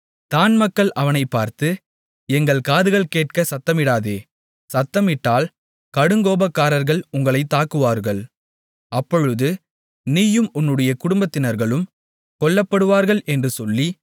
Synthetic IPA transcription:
t̪aːnmɐkːɐɭʔɐʋɐnɐɪpːaːɾt̪ɯ | ɛŋɡɐɭkaːðɯɣɐɭkeːʈ̚kɐsɐt̪ːɐmɪɽaːðeː | sɐt̪ːɐmɪʈːaːl | kɐɽɯŋɡoːbɐkːaːɾɐɾɣɐɭʊŋɡɐɭɐɪt̪ːaːkɯʋaːɾɣɐɭ | ɐpːɔɻɯðɯ | niːjɯmʊnːɯɽɐjɐkʊɽʊmbɐt̪ːɪnɐɾɣɐɭɯm | kɔɭːɐpːɐɽɯʋaːɾɣɐɭʔɛndrɯsɔlːi

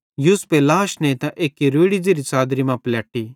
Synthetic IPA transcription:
juːspelaːʃnet̪ãʔeːkiɾeːɽid͡ʒiɾit͡saːd̪ɾimãplaːʈiː

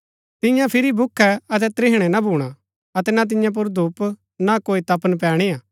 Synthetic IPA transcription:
t̪ɪ̃jãpʰɪɾibʱʊkʰːɛɐt̪̬ɛt̪ɾɪɦɽ̃ɛnabʱuːɽ̃a | ɐt̪ɛnat̪̬ɪ̃jãp̬ʊɾd̪uːp | nakoːit̪ɐpənp̬ɛːɽ̃iaː

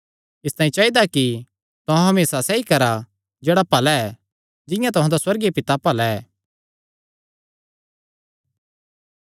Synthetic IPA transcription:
ɪst̪ãːĩt͡ʃaːid̪aki | t̪ʊɦãɦɐmeːsasɛikɐɾa | d͡ʒeːɽapɐlaɛ | d͡ʒɪ̃jãt̪ʊɦãd̪aswɐɾɡepɪt̪apɐlaɛː

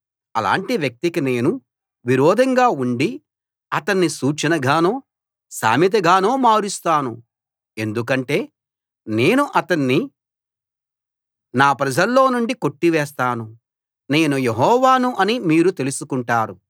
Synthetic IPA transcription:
ɐ̰la̰ːɳʈiʋjɐk̚t̪ikine̞ːnu | ʋiɾɔːd̪ʱɐŋɡaːuɳɖi | ɐt̪ɐnːisuːt͡ʃɐnɐɡaːnoː | sa̰ːmit̪̬ɐɡaːnoːmaːɾist̪aːnṵ | e̞nd̪uk̬ɐɳʈe̞ː | ne̞ːnuʔɐt̪ɐnːi | naːpɾɐd͡ʒɐlːo̞ːnuɳɖiko̞ʈːiʋɛːst̪aːnu | ne̞ːnujeɦɔːʋaːnuʔɐnimiːɾut̪e̞lusukuɳʈaːɾu

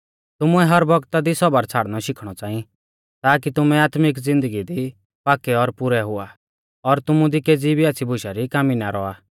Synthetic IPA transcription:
t̪ʊmuɛɦɐɾbɔɡt̪ad̪isɔbaɾt͡sʰaːɽnɔʃɪkʰɽ̃ɔt͡sãːĩ | t̪aːkit̪ʊmɛaːt̪mɪkd͡zɪ̃nd̪əɡid̪i | paːkɛɔɾpʊɾɛɦʊa | ɔɾt̪ʊmũd̪ikeːd͡zibʱiaːt͡sʰibʱʊʃaɾikaːminaɾɔaː

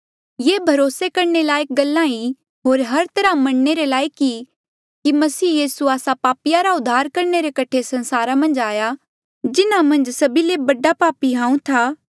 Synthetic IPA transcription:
jeːbʱɐɾoːsekɐɾɳelaːjk̚ɡɐlːãi | ɦoːɾɦɐɾt̪ɐɾãmɐɽneɾelaːiki | kimɐsiːjiːsuaːsapaːpɪjaɾaʊd̪ʱːaːɾkɐɾɳeɾekɐʈʰesɐ̃nsaːɾamɐ̃nd͡ʒaːja | d͡ʒɪnamɐ̃nd͡ʒsɐbilebɐɖapaːpiɦãːũt̪ʰaː

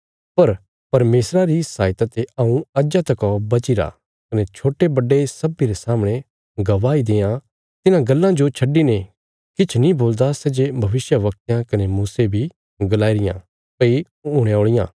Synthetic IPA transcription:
pɐɾ | pɐɾmeːsɾaɾisaːjt̪at̪eɐũɐd͡ʒat̪ɐkɔbɐt͡ʃɪɾa̰ | kɐnet͡ʃʰoːʈebɐɖːesɐbiɾesaːmɽ̃e | ɡɐʋaːid̪eːã | t̪ɪnãɡɐlːãd͡ʒot͡ʃʰɐɖːine | kɪt͡ʃʰnĩboːld̪asɛːd͡ʒebʱɐʋɪsjəʋɐk̚t̪jãkɐnemuːsebʱi | ɡɐlaːiɾɪjã̰ | pɐi | uːɽ̃ẽoːɭɪjã̰ː

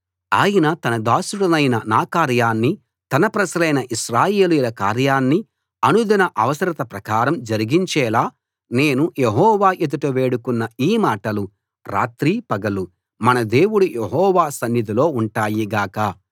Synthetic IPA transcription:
aːjɐnɐt̪ɐnɐd̪aːʃuɽɐnɐjnɐnaːkaːɾjaːnːi | t̪ɐnɐpɾɐʃɐlɐjnɐʔiʃɾaːjeːlujulɐkaːɾjaːnːi | ɐnud̪ɐnɐʔɐʋɐsɐɾit̪ɐpɾɐkaːɾɐmd͡ʒɐɾiɡiɲt͡ʃɛːlaː | ne̞ːnujeɦɔːʋaːʔed̪uʈɐʋe̞ːɽukunːɐiːmaːʈɐlu | ɾa̰ːt̪ɾiːpɐɡɐlu | mɐnɐd̪e̞ːwuɽujʔeɦɔːʋaːsɐnjid̪ʱilo̞ːuɳʈaːjiɡaːkɐ

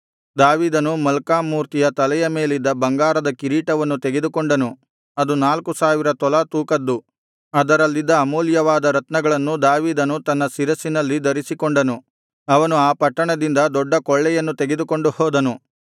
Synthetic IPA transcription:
d̪aːʋiːd̪ɐnumɐlkaːmuːɾt̪ijɐt̪ɐlɛjɐme̞ːlid̪ːɐbɐŋɡaːɾɐd̪ɐkiɾiːʈɐʋɐnːut̪eɡed̪ukoɳɖɐnu | ɐd̪unaːlkusaːʋiɾɐt̪ɔlat̪uːkɐd̪ːu | ɐd̪ɐɾɐlːid̪ːɐːmuːljɐʋaːd̪ɐɾɐt̪nɐɡɐɭɐnːud̪aːʋiːd̪ɐnut̪ɐnːɐsiɾɐsinɐlːid̪ɐɾisikoɳɖɐnu | ɐʋɐnuaːpɐʈːɐɳɐd̪ind̪ɐd̪ɔɖːɐkɔɭːɛjɐnːut̪eɡed̪uko̞ɳɖuhɔːd̪ɐnu

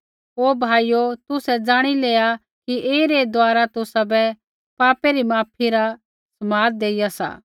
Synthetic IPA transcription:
ɦoːbʱaːijot̪ʊsɛd͡zaːɽ̃ileːa | kieːiɾed̪ʊaːɾat̪ʊsabɛ | paːpeɾimaːpʰiɾa | sɐmaːɾ̚d̪eːijasa̰ː

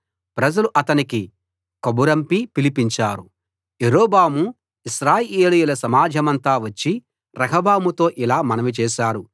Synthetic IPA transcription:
pɾɐd͡ʒɐluʔɐt̪ɐniki | kɐbuɾɐmpipilipiɲt͡ʃaːɾu | eɾoːbaːmu | iʃɾaːjeːlijulɐsɐmaːd͡ʒʱɐmɐnt̪aːʋɐt͡ʃːi | ɾɐkʰɐbaːmut̪o̞ːʔilaːmɐnɐʋit͡ʃɛːʃaːɾu

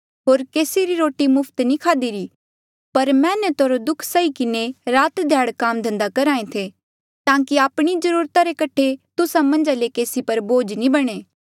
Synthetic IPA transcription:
ɦoːɾkeːsiɾiɾoːʈimʊpʰt̪nĩkʰaːd̪iɾi | pɐɾmɛ̃ːnɛt̪oɾod̪ʊkʰsaikɪneɾaːt̪d̪ʱjaːɽkaːmd̪ʱɐ̃nd̪akɐɾaːẽt̪ʰe | t̪ãːkiaːpɽ̃izɐɾuːɾt̪aɾekɐʈʰet̪ʊsamɐ̃nd͡ʒalekeːsipɐɾboːd͡ʒnĩbɐɽ̃eː

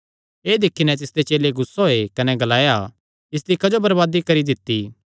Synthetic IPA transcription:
eːd̪ɪkʰːinɛ̃t̪̬ɪsd̪et͡ʃeːleɡʊsːoɦoekɐnɛɡɐlaːja | ɪs̬d̪ikɐd͡ʒobɐɾbaːd̪ikɐɾid̪ɪt̪ːi

